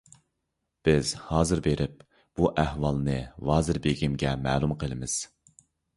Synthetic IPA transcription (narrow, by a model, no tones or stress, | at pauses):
b̥ɪz̥hɑːzɨɾbeɾʔɪp̚ | b̥uʔæhwɑlˠnɨvɑːzɨɾbeɡʲimɡʲɛmɛːlˠumqʰəlˠɨmɪz̥